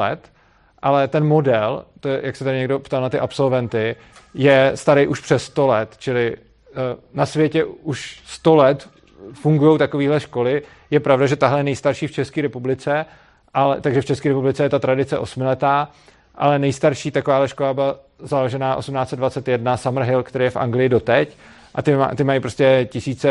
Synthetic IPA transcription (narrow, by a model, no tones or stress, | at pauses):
ɛ̰t̪ | ʔalɛt̪ɛnmo̞dɛlt̪oɛjaksɛt̪adɪɲɛɡdo̞pt̪alnat̪ɪʔapso̞lvɛnt̪ɪ | jɛst̪aɾɛjʔuʃpr̥ɛst̪o̞lɛt̪t͡ʃɪlɪ | nasvjɛcɛuʃst̪o̞lɛt̪ | fuŋɡujowt̪ako̞viːɦlɛʃko̞lɪ | jɛpɾavdaʒɛt̪aɦlɛjɛnɛjst̪aɾʃiːft͡ʃɛskiːɾɛpublɪt͡sɛ | ʔalɛ̰t̪aɡʒɛft͡ʃɛskiːɾɛpublɪt͡sɛjɛt̪at̪ɾadɪt͡sɛʔosmɪlɛt̪aː | ʔalɛnɛjst̪aɾʃiːt̪akovaːɦlɛʃko̞labɪla | zaloʒɛnaːʔo̞̰sumnaːt͡sɛd̪vat͡sɛt̪jɛdnasamr̩ɦɪlkt̪ɛɾejɛfʔa̰ŋɡlɪjɪdo̞t̪ɛc | ʔat̪ɪa̰t̪ɪmajipɾoscʲɛcɪsiːt͡sɛ